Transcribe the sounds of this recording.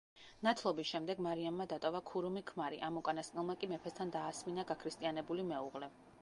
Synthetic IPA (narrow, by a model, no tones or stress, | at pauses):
nat̪ʰlˠɔbisʃɛmd̪ɛɡmaɾiamːad̪at̪ʼɔvakʰuɾumikʰmaɾḭʔamɔkʼanasqʼnɛlˠmakʼimɛpʰɛst̪ʰand̪aːsminaɡakʰɾist̪ʼianɛbulimɛuʁlɛ